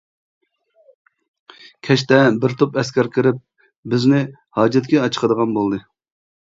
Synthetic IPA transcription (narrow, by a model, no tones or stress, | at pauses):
kʲʰɛʃt̪ɛbɪɾt̪ʰopɛskʲɛɾkʲʰɪɾɪp̚ | bɪznɪ | hɑːd͡ʒɛt̪kʲɛɑt͡ʃʰə̥qʰəd̪əʁɑnbolˠd̪ɨ